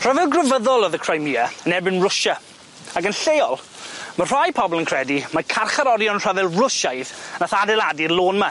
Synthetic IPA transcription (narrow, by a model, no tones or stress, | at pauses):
r̥avɛlˠɡrəvəðɔlˠɔðəkʰr̥ajmiːaənɛbɪnrʊʃa | aɡənɬejɔlˠmar̥ajpʰɔbɔlˠənkʰr̥ɛdimakʰarχaɾɔɾjɔnr̥avɛlˠrʊʃajðnaθadɛlˠadilˠoːnma